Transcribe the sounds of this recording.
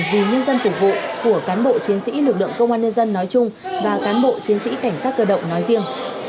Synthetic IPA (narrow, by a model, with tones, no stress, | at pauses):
vi˨˩ɲə˧nzə˧nfu˨˧˩k͡p̚vṵ˧˨ku˧˩əkaː˨˦nɓo̰˧˨t͡ɕi˨˦ənsḭ˧˥lɨ˨˩lɨ̰˧˨əŋkə˧wŋ͡mʔaː˧nɲə˧nzə˧nːɔ˨˦jt͡ɕʊ˧ŋ͡m | vaː˨˩kaː˨˦nɓo̰˧˨t͡ɕi˨˦ənsḭ˧˥ka˧˩jŋ̟saː˦˥t̚kəː˧˩ɗə̰˧˨wŋ͡mnɔ˨˦jzi˧əŋ